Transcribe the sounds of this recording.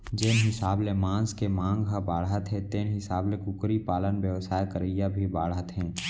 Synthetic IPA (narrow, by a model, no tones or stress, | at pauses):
d͡ʒɪːnɦɪsaːblemãːskemãːŋɡɦəbaːɽɦət̪ɦɛ̃t̪eːnɦɪsaːblekʊkɾipaːlənʋjəʋsaːjkəɾəjabʱibaːɽɦət̪ɦɛ̃ː